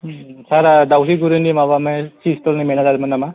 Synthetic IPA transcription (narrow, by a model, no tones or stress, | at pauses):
saɾadawsiɡuɾenimaβamasistɔlnimenazaɾimanama